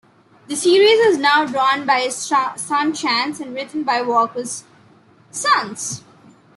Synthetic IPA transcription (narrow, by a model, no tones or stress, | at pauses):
d̪əsiːɾizɪznaʊɖɾɔ̃ːnbaɪɪsʌ̃nt͡ʃæ̃nsæ̃nɾɪʈən̩baɪʋɔːkəz̥ | sʌ̃ns